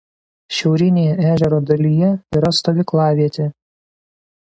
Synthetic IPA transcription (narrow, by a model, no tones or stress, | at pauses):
ʃʲɛʊɾʲɪnʲeːjɛæːʒʲɛɾoːd̪ɐlʲijɛiːɾɐst̪oːʋʲɪklˠɑːʋʲiɛt̪ʲeː